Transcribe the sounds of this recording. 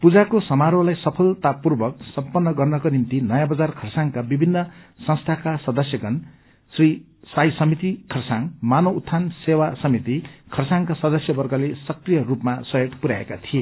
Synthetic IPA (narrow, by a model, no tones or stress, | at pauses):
pud͡zakosʌmaɾolajsʌpʰʌlt̪apːurbʌk̚sʌmpʌnːʌɡʌrnʌkonimt̪inʌjabʌd͡zarkʰʌrsaŋkabibʱinːʌsʌ̃ŋst̪ʰakasʌd̪ʌsjʌɡʌn | sri | sajsʌmit̪ikʰʌrsaŋmanout̪ʰːansewasʌmit̪ikʰʌrsaŋkasʌd̪ʌsjʌbʌrɡʌlesʌkrijʌrupmasʌjeʈ̪puɾaḛkat̪ʰie